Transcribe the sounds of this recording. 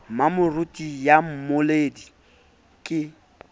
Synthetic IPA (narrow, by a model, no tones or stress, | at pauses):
mamʊrʊtʼijam̩mʊleːdi | kʼɪ